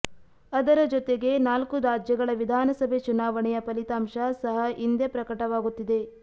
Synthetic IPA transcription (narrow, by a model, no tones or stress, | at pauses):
ɐd̪ɐɾɐd͡ʒɔt̪eɡe̞naːlkuɾaːd͡ʒjɐɡɐɭɐʋid̪ʱaːnɐsɐbʱe̞t͡ʃunaːʋɐɳɛjɐpɐlit̪aːmʃɐsɐɦɐʔind̪epɾɐkɐʈɐʋaːɡut̪ːid̪e̞